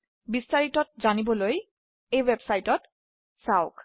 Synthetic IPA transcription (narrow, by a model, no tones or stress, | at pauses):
bistaɹitɔt̚zanibɔloj | ejwebsajtɔt | saʊk